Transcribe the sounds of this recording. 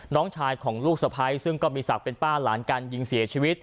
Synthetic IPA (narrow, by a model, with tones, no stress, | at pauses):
nɔː˦˥ŋt͡ɕʰaː˧jkʰɔː˩˦ŋluː˥˩k̚sa˧pʰa˦˥jsɯ˥˩ŋkɔː˥˩miː˧sa˨˩k̚pe˧npaː˥˩laː˩˦nkaː˧nji˧ŋsi˨˩˦ɐt͡ɕʰiː˧wi˦˥t̪̚